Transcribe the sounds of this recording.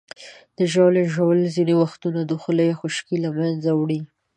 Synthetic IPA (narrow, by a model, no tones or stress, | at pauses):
d̪̥əʒɑleʒawəlzinewaxt̪unad̪uxələjexʊʃkilamanzawɽi